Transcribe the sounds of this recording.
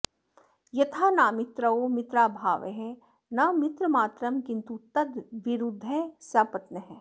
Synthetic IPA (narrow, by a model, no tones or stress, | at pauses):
jɐt̪ʰaːnaːmɪt̪ɾɐoːmɪt̪ɾaːbʱaːʋḛɦɛ̃ | nɐmɪt̪ɾəmaːt̪ɾɐmkɪnt̪ut̪ɐd̪ʋɪɾud̪ʱːɛ̃saːpɐt̪nɐɦɛ̃ː